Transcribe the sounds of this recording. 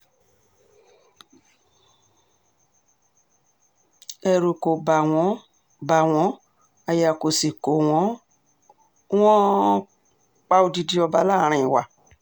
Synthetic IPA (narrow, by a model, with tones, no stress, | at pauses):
ɛ˧ɾu˨ko˨ba˨w̃ɔ̃˨˦ | ba˨w̃ɔ̃˨˦ | a˧ja˨ko˨si˨ko˨w̃ɔ̃˨˦ | w̃ɔ̃˦ | k͡pa˧˦o˧di˧di˧ɔ˧ba˧la˦˨ɾ̃ĩ˧˨i˨wa˨